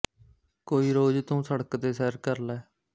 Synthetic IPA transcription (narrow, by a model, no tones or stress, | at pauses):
koːiːɾoːd͡ʒt̪ũːsəɽəkt̪eːsɛːɾkəɾlɛː